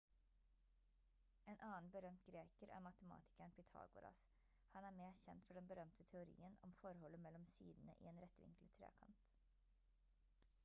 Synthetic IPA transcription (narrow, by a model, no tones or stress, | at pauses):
eːnʔɑːn̩bəɾœmt̪ɡɾeːkəɾæ̰ːɾmɑt̪əmɑ̰ːt̪ʰɪ̥kæɳpʰɪt̪ʰɑ̰ːɡʊɾɑ̰s | hɑnæːmeːçɛnt̪fɔɖɛnbəɾœmt̪ʰət̪ʰɛʊɾḭːənɔ̰mfɔɾhɔləmɛlɔmsḭːd̪n̩ə̰ʔḭːeːnɾɛt̪ʋɪ̰ŋklət̪ʰɾḛːkʰɑnt̪